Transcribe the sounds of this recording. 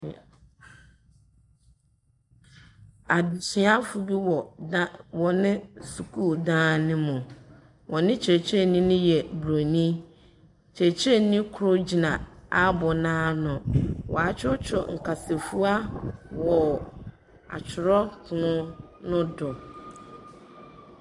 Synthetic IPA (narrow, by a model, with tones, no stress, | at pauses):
a˨dsi˨˦a˦fu˨bi˦wɔ˨a˦wɔ˨nɪ̃˦su˨kʰu˦˨dãː˦nɪ̃˦mʊ̃˨ | wʔɔ̃˨nɪ̃˦t͡ɕʰɛ˨t͡ɕʰɛ˦˨nĩ˦nʊ̃˦jɛ˨bu˨ɾo˨nĩ˦ | t͡ɕʰɛ˨t͡ɕʰɛ˦˨nĩ˦kʰʊ˦ɾʊ˦d͡ʑi˨nã˨a˦bɔ˨nãː˦nʊ̃˨wʔɔ̰˨a˨t͡ɕʰᶣɔ˦t͡ɕʰᶣɔ˨ŋ̩˨kʰa˨se˨fu˦a˦wɔ˨ | a̰˨t͡ɕʰɪ˨ɾɔ˦kʰʊ˨nʊ̃˦ | nʊ̃˦dɔ˨